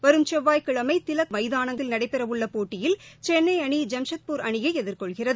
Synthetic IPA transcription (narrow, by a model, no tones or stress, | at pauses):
ʋɐɾɯmt͡ʃɛʋːaːjkɪɭɐmɐɪt̪ɪlɐkmɐɪðaːnɐŋt̪ɪlnɐɽɐɪpːɛɾɐʋɯɭːɐpoːʈːɪjɪlt͡ʃɛnːɐɪɐɳid͡ʒɐmʂɐt̪̚puːɾɐɳɪjɐɪɛðɪɾkɔɭɣɪrɐðɯ